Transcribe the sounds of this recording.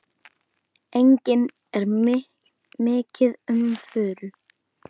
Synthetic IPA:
ejɲcɪn | ɛɾ | mɪːcɪðʏmfʏːl

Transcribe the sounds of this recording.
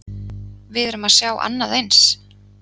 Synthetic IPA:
vɪðɛɾʏmaðsjaːwʔa̰nːaðejns

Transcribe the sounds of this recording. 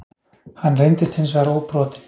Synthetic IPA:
hanːrejnt̪ɪst̪hɪns̬vɛɣɾowpɾɔːt̪ɪ̥n̥

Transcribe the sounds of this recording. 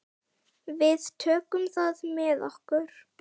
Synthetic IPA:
vɪðt̪ʰœːkʏmθaðmɛðɔhkʏɾ̥

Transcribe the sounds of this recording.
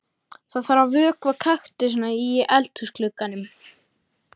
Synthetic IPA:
θaðθaɾvavœːkvakʰaxt̪ɪs̬naiʔɛlt̪husklʏkːanʏm

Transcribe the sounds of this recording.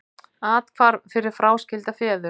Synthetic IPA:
aːt̪kʰvaɾfɪɾɪɾ̥fɾaːwscɪlt̪afɛːðʏ

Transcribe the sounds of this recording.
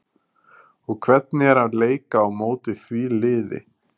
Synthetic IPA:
ɔɣkʰvɛt̪̚nɪɛɾ̥hanleːjkaːwmoːwt̪ɪθvilɪːðɪ̰

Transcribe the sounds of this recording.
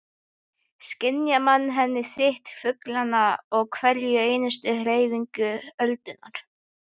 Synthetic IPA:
scɪnjamanːɦɛnːɪθɪht̪fʏklanaɔɣkʰvɛljʏeːjnʏst̪ʏhɾeːjviŋkʏœlt̪ʏnːaɾ̥

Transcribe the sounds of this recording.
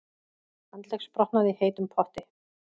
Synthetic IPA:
ant̪lɛxspɾɔhpnaðiheːjt̪ʏmpʰɔht̪ɪ

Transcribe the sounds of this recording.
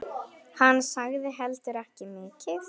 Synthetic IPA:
hanːsaɣðɪɦɛlt̪ɪɾɛhcɪmɪːcɪθ

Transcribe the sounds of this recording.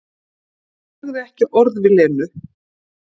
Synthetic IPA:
ɣðɪɛhcɪʔɔɾðvɪðlɛːnʏ

